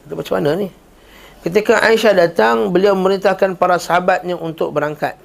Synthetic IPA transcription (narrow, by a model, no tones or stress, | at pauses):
it̪abmat͡ʃamanənih | kət̪̬ikaʔaiʃadat̪aŋbəliawməməɾint̪ahkanpaɾasaɦabat̪̚ɲaʔunt̪ʊk̚bəɾaŋka̰t̪̚